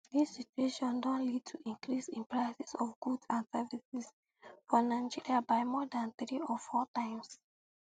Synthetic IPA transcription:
disːit͡ʃueʃɔ̃ndɔ̃nlid̚tʰuʔĩŋkɹisĩnpɹaɪsɛ̥sɔfɡudãnsɛvisis | fɔnaɪd͡ʒiɹiabaɪmɔdãnθɹiɔfɔtãɪ̃ms

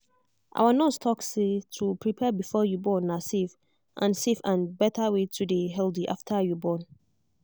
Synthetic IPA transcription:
ʔa̰wanɔstʰɔksetʰupʰɹipʰɛbifɔjubɔ̃nːasef | ʔã̰nsefãnbɛtʰawetʰudeɦɛldiʔaftʰajubɔ̃n

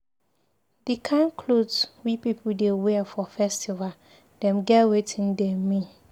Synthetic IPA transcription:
dikʰãnkʰlodswipipʰudewɛfɔfɛstival | d̥ɛ̃mɡɛtwetʰĩndɛ̃mĩ

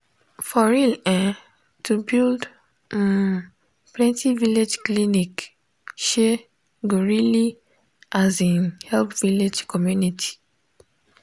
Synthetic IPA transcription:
fɔɹilɛ̃ | tʰubild̩̃ | n | plɛ̃ntʰiviled͡ʒklinik | ʃe | ɡoɹili | azĩnhɛlpviled͡ʒkɔmjunitʰi̥

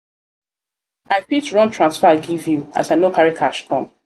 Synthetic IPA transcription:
aɪpitɹɔ̃ntʰɹãnsfaɡivjua̰tanokaɹikʰaʃkɔ̰̃m

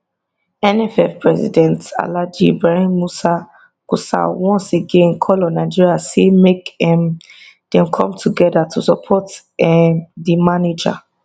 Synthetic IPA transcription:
ɛnɛfɛfpɹɛzḭdɛ̃nta̰lad͡ʒḭbɹaɹĩnmusa | kusa̰wɔ̃nseɡẽnkʰɔlɔ̃naɪd͡ʒiɹiasemekɛm | d̥ɛ̃mkʰɔ̃mtʰuɡɛdatʰusɔpʰɔt | ɛdimaned͡ʒa̰

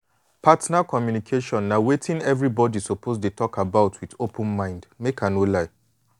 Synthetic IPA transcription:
pʰatnakʰɔmjunikʰeʃɔ̃nːawetʰɪ̃nɛvɹibɔdisopʰozdetʰɔkabaʊtʰwiðopʰə̃nmãɪ̃ndmekʰãnolaɪ

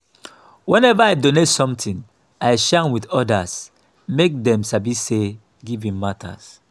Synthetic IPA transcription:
wɛ̃nɛvaaɪdonetsɔ̃mtĩn | aɪʃanwidɔdas | mek̚dɛ̃msabise | ɡivĩmːatʰa̰s

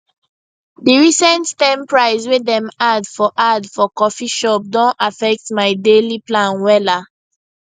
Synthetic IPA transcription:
diɹisɛ̃nttɛ̃mpɹaɪswedɛ̃madfɔʔadfɔkɔfiʃɔp̚dɔ̃nafɛk̚tmaɪdeliplãnwɛla

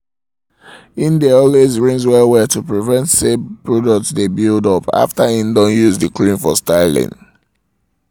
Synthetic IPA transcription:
ĩndeɔlwezɹĩŋzwɛwɛtupɹivɛ̃ntsebpɹɔdɔk̚tsdebildɔpa̰ftaĩndɔ̃njuzdəkɹĩnfɔ̰staɪlḭ̃n

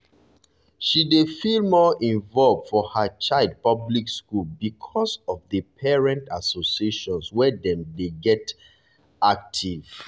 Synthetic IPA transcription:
ʃidefilmɔʔĩɱvɔlv̥fɔhət͡ʃaɪld̚pʌblikskulbikʰɔsɔvðəpʰɛɹɛ̃ntasosieʃɔ̃nswɛdɛ̃mdeɡɛt | ak̚tʰiv̥

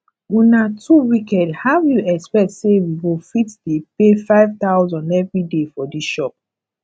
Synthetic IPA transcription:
ũnatʰuwikɛdhajuɛkspɛk̚tsewiwifitdipefaɪvtaʊzɔ̃ndɛvɹidefɔdiʃɔp̚

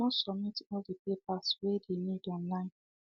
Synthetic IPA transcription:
mɔsɔmitɔldipep̚aswedenidɔ̃nlãɪ̃n

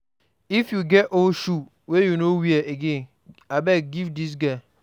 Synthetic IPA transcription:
ifjuɡɛtoʃu | wejunowiaʔeɡẽn | abɛɡivdis̬ɡa

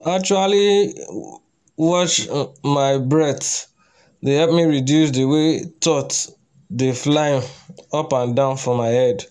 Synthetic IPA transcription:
ak̚t͡ʃuali | wɔʃmaɪbɹɛt | dehɛlp̚miɹidjusdiwetɔt | deflaɪ̃mɔpãndãʊ̃nfɹɔ̃mːaɪhɛd

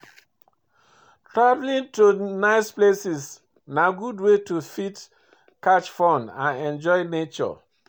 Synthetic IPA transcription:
tʰɹavlĩntunaɪsplesis | naɡudwetufit | kat͡ʃfɔ̃nãnɛ̃nd͡ʒɔjnet͡ʃɔ̰

